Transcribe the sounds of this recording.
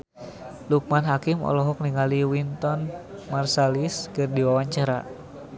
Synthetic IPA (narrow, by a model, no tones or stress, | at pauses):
luk̚manɦakimɔ̰lɔɦɔk̚niŋaliwint̪ɔnmarsaliskɨrdiwawaɲt͡ʃaɾa